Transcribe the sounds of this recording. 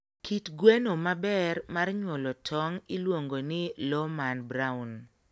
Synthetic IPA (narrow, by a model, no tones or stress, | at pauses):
kʰitɡwenomabɛrmarɲwɔlɔtʰɔŋilwoŋɡonɪlɔmanbɾaun